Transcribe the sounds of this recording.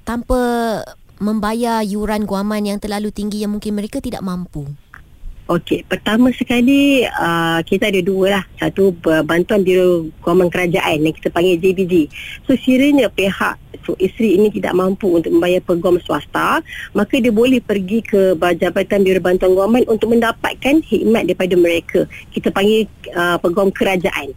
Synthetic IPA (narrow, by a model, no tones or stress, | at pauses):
t̪ampa | mə̃mbajajuɾanɡuamãnjaŋt̪ərlalut̪iŋɡijaŋmuŋkɪnməɾekat̪ida̰ʔmãmpu | okepərt̪amãsəkaliəkit̪adəduəlahsat̪uəbant̪uanbiɾoɡuamankəɾad͡ʒaʔanjaŋki̥t̪apaŋɡɛd͡ʒibidisosiɾəɲə̃peha̰ʔsoʔist̪ɾiːnit̪̬ida̰ʔmampuunt̪ʊk̚mə̃mbajapəɡɔmsuast̪amakadiəbolɛhpərɡikʰəbad͡ʒabat̪anbiɾobant̪uanɡamanʔunt̪ʊk̚mə̃ndapa̰t̪̚kanhiʔ̚mat̪̚daɾipadamə̃ɾekʰəkit̪apaŋɡɛəpəɡɔmkəɾad͡ʒaʔan